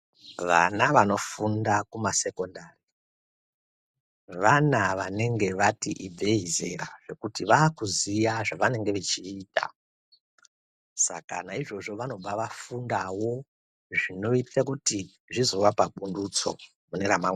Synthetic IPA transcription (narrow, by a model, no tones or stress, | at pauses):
ʋa̰naʋano̞fundakumase̞ko̞ndari | ʋanaʋane̞ŋɡe̞ʋatiʔib͡veɦize̞̰ɾaʐe̞kutiʋaːkuzijaʐaʋane̞ŋɡe̞ʋet͡ʃiːta̰ | sa̰kanaiʐo̞ʐo̞ʋano̞ɓaʋafundawo̞ | ʐino̞itakuti | ʐizo̞ʋapaɓundut͡so̞̰ | muneɾamaŋe